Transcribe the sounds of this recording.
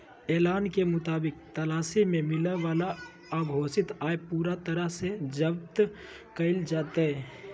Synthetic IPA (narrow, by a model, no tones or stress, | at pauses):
ɛːlaːnkemʊt̪aːbɪk̚t̪əlaːsimẽmɪləʋaːla | aɡʱoːsɪt̪aːepuːɾat̪əɾəɦsed͡ʒəbt̪ | kəɪld͡ʒaːt̪ɛ